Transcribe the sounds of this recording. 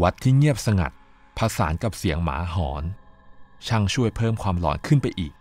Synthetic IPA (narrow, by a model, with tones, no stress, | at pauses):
wa˦˥t̪ʰːiː˥˩ŋi˥˩əp̚sa˧ŋa̰˨˩t̪̚ | pʰa˧sa̰ː˩˦nka˨˩p̚si˨˩˦əŋma̰ː˩˦ɦɔː˩˦n | t͡ɕʰa˥˩ŋt͡ɕʰu˥˩əjpʰɤː˥˩mkʰwaː˧mlɔ̰ː˨˩˦nkʰɯ˥˩npa˧jʔiː˨˩k̚